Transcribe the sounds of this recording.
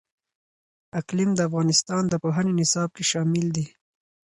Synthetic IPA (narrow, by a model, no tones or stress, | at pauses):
aklɪmd̪əafɣɑnɪst̪ɑnd̪əpoɦanenɪsɑb̚keʃɑmɪld̪i